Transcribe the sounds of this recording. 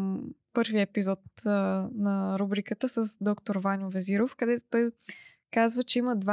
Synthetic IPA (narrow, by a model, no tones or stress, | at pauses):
pɤɾviɛpizɔt̪nɐɾubɾikət̪əsəsd̪ɔkt̪oɾvanʲovɛziɾofkɐd̪ɛt̪o̥t̪ɔj | kazvət͡ʃɛiməd̪va